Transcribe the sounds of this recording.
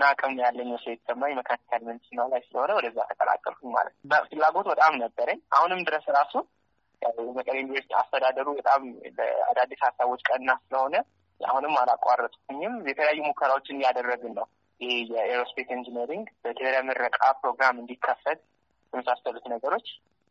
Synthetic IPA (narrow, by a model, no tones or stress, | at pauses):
nakʼɨmnojalːəɲːɛsəet̪səmːaɲməkʰanik̪ʰalmɨnsɨnːawlajsɨləho̞nəwɔd̪əzːjat̪ʰəkʼəla̰kʼːə̰lkʰuɲma̰lət̪fɨlːaɡo̞t̪bət̪ʼamnəbːəɾəɲːʔa̰hunɨmd̪ɨɾəsɾasun | jaməkʼəljunivəɾsit̪ʰia̰st̪ʰəd̪ad̪əɾubət̪ʼamlə̰a̰d̪ad̪ːishasːaβo̞t͡ʃːkʼənːasɨləho̞nə | a̰hunɨmːalakʼarːət̪ʼu̥t̪ʰuɲːɪmjɛt̪ʰələjajːumukʰːəɾawo̞t͡ʃːɪnɨjad̪ərːəɡɨnːəw | jɪhejɛeɾospʰet̪ɨnd͡ʒineɾiŋɡb̥əd̪ʰɨɾamɨrːəkʼapɾo̞ɡɾamɨnd̪ikʰːəfːət̪ | jɛməsasəlut̪nəɡəɾo̞t͡ʃː